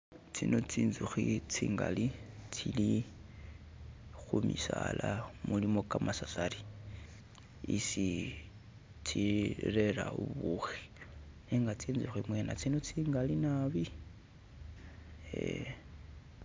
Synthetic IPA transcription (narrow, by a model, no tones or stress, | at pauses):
t͡sinot͡siːnzuxit͡siːŋɡalit͡sili | xumisalamulimo̞kamasasaɾi | isi | t͡sireɾauβuxi̥ | niŋɡat͡siːnzuximwenat͡sinot͡siːŋɡalinaβi | e